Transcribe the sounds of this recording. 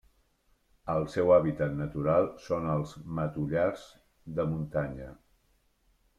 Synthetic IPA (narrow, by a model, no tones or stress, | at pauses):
əlˠsɛwaβit̪at̪nət̪uɾalˠsonəlˠzmət̪uʎarz̥ | d̪əmunt̪aɲə